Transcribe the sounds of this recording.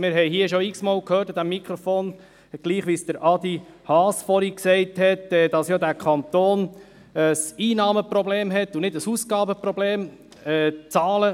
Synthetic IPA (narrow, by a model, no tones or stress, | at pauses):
mɪɾɦɛɪɦiəʃoɪksmɑːlkhøːɾtɑd̪æmːikʰɾɔfoːn | ɡ̥liːχʋiːsd̥əɾʔɑd̪i | hɑːsfɔɾiksɛɪthɛtɛːd̥ɑsjoːdæɾkʰɑnt̪oːn | əsiːnɑːməprɔbleːmɦɛt̪ːʊnɪdəsuːsɡ̥ɑːbəpɾɔbleːm | ɛːt͡sɑːlə